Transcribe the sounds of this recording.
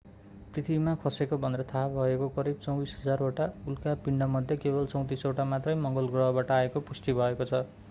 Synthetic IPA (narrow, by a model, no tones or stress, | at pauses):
prit̪ʰibimakʰʌsekobʱʌnd̪ɾʌt̪ʰabʱʌekokʌɾib̚t͡sʌw̃bisɦʌd͡zaroʈaulkapiɳɖʌmʌd̪ʱjekebʌlt͡sʌw̃t̪isoʈamat̪rʌjmʌŋɡʌlɡrʌɦʌbaʈʌaekopusʈ̪ibʱʌekot͡sʰʌ